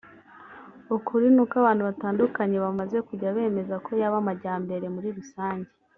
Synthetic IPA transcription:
ukʰuɾinukaβaːnhuβataːndukaɲe̞βamaze̞kuɟaβe̞ːme̞zakʰo̞jaβamaɟaːmbe̞ɾe̞muɾiɾusaːɲɟe

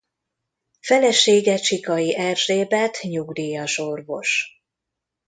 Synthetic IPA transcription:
fɛlɛʃeːɡɛt͡ʃikɒjiʔɛrʒeːbɛt̪ɲuɡd̪iːjɒʃo̞rvo̞̰ʃ

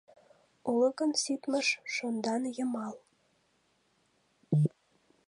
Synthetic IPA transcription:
ulɤ̆kɤ̆nsit̪məʃʃond̪ɑnjɤ̆mɑl

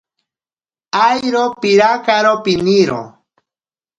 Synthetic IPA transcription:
ajɾopiɾakaɾopiniɾo̰

